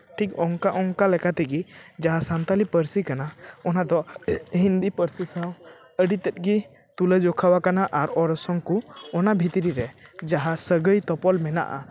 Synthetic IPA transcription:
ʈʰikɔŋkaʔɔŋkalɛkat̪ɛɡid͡ʒaɦasant̪alipəɾsikanaɔnad̪ɔɦind̪ipəɾsisaw | əɖit̪ɛt̪̚ˀɡi | t̪uləd͡ʒɔkʰawakanaʔaɾɔɾɔsɔŋkuɔnabʱit̪ɾiɾɛd͡ʒaɦasəɡəjt̪ɔpɔlmɛna̰ʔa̰

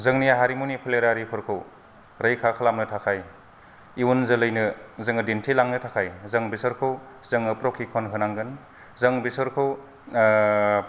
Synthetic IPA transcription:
zɯŋniaɦaɾimunipʰəleɾaɾipʰɯɾkʰɯw | ɾɐjkʰakʰalamnɯtʰakʰaj | iwunzɯlɯjnɯzɯŋɯdintʰilaŋnɯtʰakʰajzɐŋbisɯɾkʰɯw | zɯŋɯpɾokʰːikʰonɦɯnaŋɡɯn | zɐŋbisɯɾkʰɯw

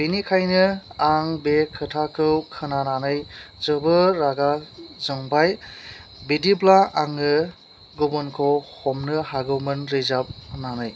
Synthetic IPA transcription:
binikʰajnɯaŋbekʰɯtʰakʰɯwkʰɯnananɯjzɯbɯɾaɡazɯŋbaj | bidiblaaŋɯ | ɡɔbɯnkʰɔwhɔmnɯhaɡɯwmɯnɾizap̚nanɯj

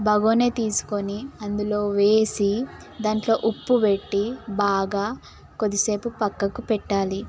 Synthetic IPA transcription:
bɐɡoːneːt̪iːsu̥ko̞niɐnd̪ulo̞ːʋeːsi | d̪aːɳʈlo̞ːʔupːuʋeʈːibaːɡaː | kod̪ise̞ːpupɐkːɐkupɛʈːaːli

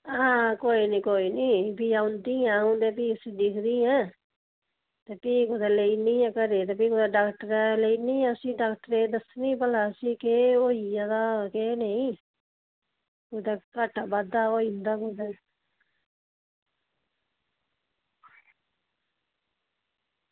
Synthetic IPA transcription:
aːkoːiːnĩːkoːiːniːpiːaːʊnd̪iːãːʊ̃d̪eːpiːəsĩːd̪ɪkʰd̪ĩːɛ̃ː | t̪eːpiːkʊd̪ɛːleiːniːɛ̃ːkəɾeːt̪eːpiːkod̪aːɖaːkʈəɾɛleiːnĩːəsĩːɖaːkʈəɾeːd̪əsnĩːpəlaːəsĩːkeːoːiːãd̪aːkeːneĩː | kod̪aːkaʈaːbad̪aːoːind̪aːkod̪ɛː

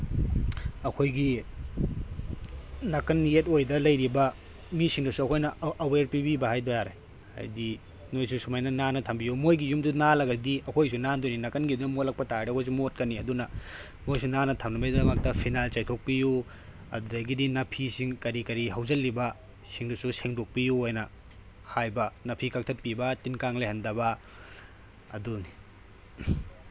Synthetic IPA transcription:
ɐkʰojɡi | nɐkɐnjetojdɐlɐjɾibɐ | misiŋdɐsuɐkʰojnɐɐweɾpibibɐhajdojaɾḛ | a̰jdi | nojsusumajnɐnanɐtʰɐmbijumojɡijumdunalɐɡɐdiɐkʰojsunandoninɐkɐnɡidunɐmolɐk̚pɐtaɾdɐkʰojs̬umot̚kɐnːiɐdunɐ | mojsunanɐtʰɐmnɐbɐjdɐmɐk̚tɐpʰinalt͡ʃɐjtʰok̚piju | ɐ̰dudɐɡidinɐpʰisiŋkɐɾikɐɾiɦawzɐlːibɐ | siŋdususeŋdok̚pijuojnɐ | hajbɐnɐpʰikɐk̚tʰɐt̚pibɐtinkaŋlejhɐndɐbɐ | ɐ̰duni

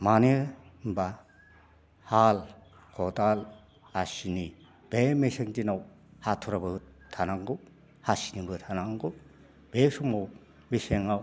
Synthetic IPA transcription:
maneba | hal | kʰɔdal | asini | b̥emeseŋdinaw | hatʰuɾabɯ | tʰanaŋɡɯ | hasinibɯt̪ʰanaŋɡɯ | b̥esuŋmaw | meseŋaw

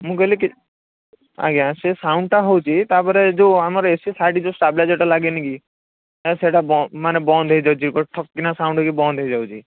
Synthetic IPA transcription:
mũkɔliki | a̰ɡãsesaʊ̃ɳɖʈaɦɔwt͡ʃʰit̪apɔɾed͡ʒoamaɾesisaʈid͡ʒosʈablad͡ʒeʈalaɡeniki | seʈabɔmanɛbɔnd̪ʱɔjd͡ʒawt͡ʃʰikɔʈʰɔkːinasaʊ̃ɳɖkibɔ̃nd̪ʱɔjd͡ʒawt͡ʃʰi

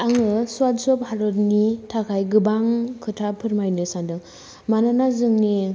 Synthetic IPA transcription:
aŋɯsuwatsɔphaɾɔtnitʰakʰajɡɯbaŋkʰɯtʰapʰɯɾmajnɯsandɯŋ | mananazɯŋni

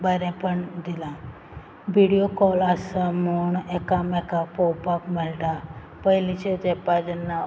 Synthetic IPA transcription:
bəɾepəɳd̪ilã | ʋiɽijokɔlasəmuɳekamekapɔwpakmɛlʈa | pəɦilit͡ʃʰed͡ʒepad͡ʒənːa

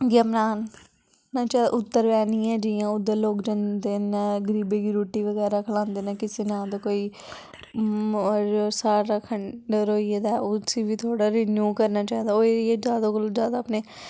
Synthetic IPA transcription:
ɡəmɾaːnː | aːt͡ʃaʔʊt̪ːəɾʋɛːnĩːɛ̃ːd͡ʒɪjãːʊd̪eloːkd͡ʒãnd̪eːnaːɡəɾiːbeːɡiːɾoːʈːiːʋəɡɛːɾaːkʰəlãːnd̪eːnaːkɪseːnãːd̪oːkoːiː | ɾoːsaːɾaːkʰəɳɖaɾoːied̪aːʊsiːʋiːt̪ʰoːɽaːɾɪnjuːkəɾnaːt͡ʃaːĩːd̪aːoːieːd͡ʒaːd̪oːkəlod͡ʒjaːd̪aːpneː

